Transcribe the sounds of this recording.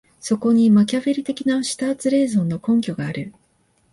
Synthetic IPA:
so̞ko̞ɲ̟imakʲaβeɾʲit̪e̞kʲinaɕi̥t̪aːt͡sɨɾe̞ːzo̞nːo̞kõ̞ŋkʲo̞ɡaːɾɯ̟

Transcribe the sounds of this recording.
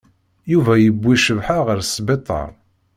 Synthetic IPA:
juvæjəbːiʃəvħaʁəɾsbet̪ˤːɑ̰ɾˤ

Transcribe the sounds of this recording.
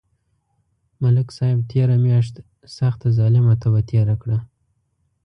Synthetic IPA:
malɪksɑjɪb̚t̪ʰeɾamjɑʃt̪ | saxt̪azɑlɪmat̪abat̪ʰeɾakɽa

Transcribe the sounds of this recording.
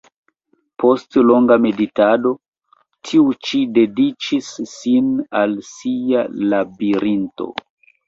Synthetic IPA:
pʰo̞stlo̞ŋɡame̞ditado̞ | tʰiut͡ʃide̞dit͡ʃisːinalsialabiɾinto̰

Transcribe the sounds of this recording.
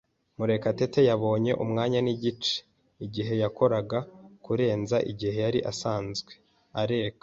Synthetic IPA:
muɾe̞kate̞te̞jaβo̞ːɲe̞ʔumŋaːɲaniɟit͡ʃe̥ | iɟiɦe̞jako̞ɾaɡakuɾe̞ːnzaʔiɟihe̞jaɾiʔasaːnzɡwe̞ | aɾe̞ːkḁ

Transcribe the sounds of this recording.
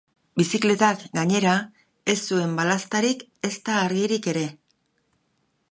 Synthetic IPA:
bisikle̞t̪akɡaɲe̞ɾa | e̞sːue̞mbalast̪aɾik | e̞st̪aːɾɣiɾike̞ɾe̞

